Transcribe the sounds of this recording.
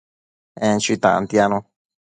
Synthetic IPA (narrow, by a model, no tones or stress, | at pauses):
ẽnt͡ʃit̪ã̰ʔã̰nt̪janũ